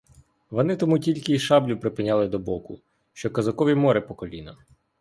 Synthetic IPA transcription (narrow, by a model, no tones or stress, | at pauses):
ʋɔnɪt̪ɔmutʲilʲkɪiʃɑblʲʊpɾɪpɪnʲalˠɪd̪ɔbɔkʊ̰ | ʃt͡ʃɔkɐzɐkɔʋʲimɔɾɪpɔkɔlʲinɐ